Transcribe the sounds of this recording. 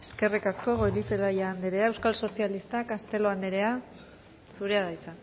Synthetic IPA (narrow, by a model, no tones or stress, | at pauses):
e̞ske̞rikasko̞ɣo̞jliselajand̪eɾeae̞wskalso̞sialist̪akast̪e̞lo̞and̪eɾe̞a | suɾe̞aðajt͡sa